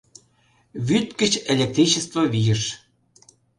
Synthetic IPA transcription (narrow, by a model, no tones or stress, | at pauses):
vyt̪kət͡ɕelʲek̚t̪ɾit͡ɕəst̪vovijəʃ